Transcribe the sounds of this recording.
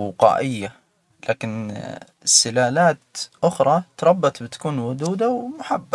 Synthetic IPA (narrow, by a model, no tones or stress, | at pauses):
ʊqɑ̰ːʔɪjːa | laːkɪn | sːɪlaːlaːt̪ʔʊxɾˤɑt̪ɾˤɑbːɑt̪ˤbɪt̪ḁkuːnwʊd̪uːd̪awmʊħabːa